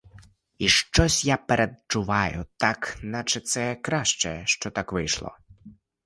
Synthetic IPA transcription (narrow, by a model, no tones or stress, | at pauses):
iʃt͡ʃɔsʲjapeɾʔed̪̚t͡ʃʊʋajʊt̪aknat͡ʃɛt̪sɛkɾaʃt͡ʃɛʃt͡ʃɔt̪akʋɪjʃlˠɔ̰